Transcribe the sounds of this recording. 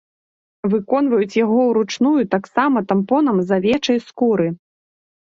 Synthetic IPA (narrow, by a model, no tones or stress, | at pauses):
vɨkɔn̪vɐjut͡sʲjaɣɔwɾut͡ʂnujut̪aksamɐt̪ampɔn̪ɐmzɐvʲɛt͡ʂɐjskuɾɨ